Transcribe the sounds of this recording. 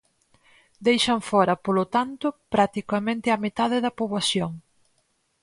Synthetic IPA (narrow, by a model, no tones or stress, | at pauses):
d̪ejʃɐɱfɔɾɐpolot̪ant̪ʊpɾat̪ikɐmẽnt̪ɪɐmet̪aðɪðɐpoβlasjoŋ